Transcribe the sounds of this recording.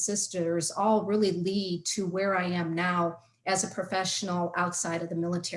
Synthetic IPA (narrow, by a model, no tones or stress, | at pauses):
sɪstə˞zɔlˠɹɪlˠilid̚tʰɨwə˞aɪɨ̃mnaʊ | ɨzɨpʰɹ̥ɨfɛʃn̩l̩ˠaʊtsaɪɾʌvðɨmɪlˠətʰɛ